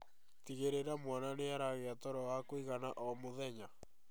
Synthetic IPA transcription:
tiɣeɾeɾamwananeaɾaɣeatɔɾɔwakoiɣanaʔɔmoðɛɲa

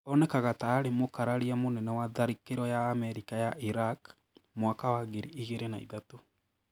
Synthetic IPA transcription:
ɔnɛkaɣataːɾemokaɾaɾiamonɛnɛwaðaɾikeɾɔjaːmɛɾikajaʔiɾak | mwakawaɣeɾiiɣeɾenaḭðato

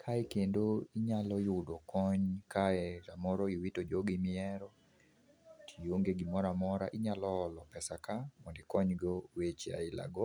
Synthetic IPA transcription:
kʰaɛkendoiɲalɔjʊdɔkʰɔɲkaɛɾamɔɾoiwitod͡ʒoɡɪmɪɛɾɔ | tʰijoŋɡeɡimɔɾamɔɾa̰ʔɪɲalɔːlɔpɛsakamɔndɪkɔɲɡowet͡ʃa̰ɪla̰ɡɔ

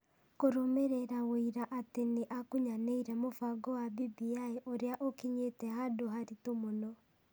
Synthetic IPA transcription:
koɾomeɾeɾawoiɾaʔateneʔakuɲaneiɾɛmofaɡɔwabibiaeʔoɾeaʔokiɲetɛhadoɦaɾitomonɔ

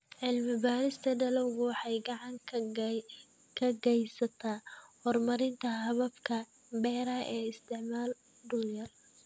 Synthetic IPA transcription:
ʕɪlmɪbaːɾɪst̪ʰɐɖɐlɐwɣʊwɑħɑjɡɑʕɑŋkʰ | kʰɐɡɛjsɐt̪ʰaːhɔrmɐɾɪnt̪ʰɐɦɐβɐbkʰɐ | bɛːɾɐʔɛːɪst̪ʰɪʕmaːl | ɖʊljɐr

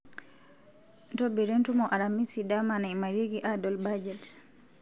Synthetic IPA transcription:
ntɔbiɾɛntumɔʔaɾamisidamanamaɾiɡiʔadɔlbad͡ʒɛt

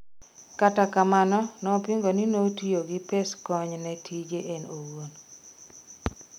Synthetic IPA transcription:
katakamanɔnɔpiŋɡoninotioɡɪpeskɔɲnɛtʰid͡ʒeʔenowon

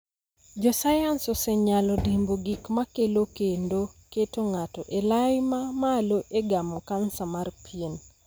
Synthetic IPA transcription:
d͡ʒɔsajansɔsɛɲalɔdimboɡikmakelokendoketoŋatɔʔelajmamaloʔeɡamɔkansamarpʰien

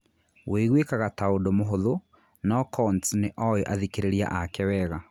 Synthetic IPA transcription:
weɣwekaɣataodomoɦoðo | nɔkʰɔntneʔɔjoʔaðikeɾeɾia̰ʔakɛwɛɣa

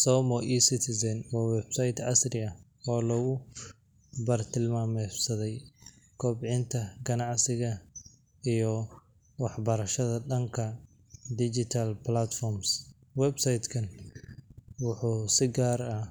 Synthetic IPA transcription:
sɔːmɔʔiːsɪt̪ʰɪsɐnwɑːwɛbsɐjt̪ʕɑsrɪɐ | ɔːlɔɣʊ | bɐrt̪ʰɪlmaːmɛsɐðɛj | kʰɔːbʕɪnt̪ʰɐɡɐnɑʕsɪɣɐ | ijɞ | wɑħbɐɾɐʃɐðɐdɐŋkʰɐ | d̪ɪd͡ʒɪt̪ʰɐlplat̪fɔrms | wɛbsɐjd̪kʰɐn | wʊħuːsɪɡaːrɐ

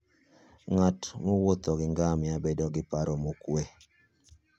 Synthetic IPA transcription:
ŋatmowot̪ɔɡɪŋɡamjabedɔɡɪpaɾɔmokwe

